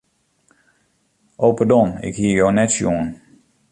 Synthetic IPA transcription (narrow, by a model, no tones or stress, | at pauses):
ʔoːpədɔnɪ̰khiəjonɛtsjuŋən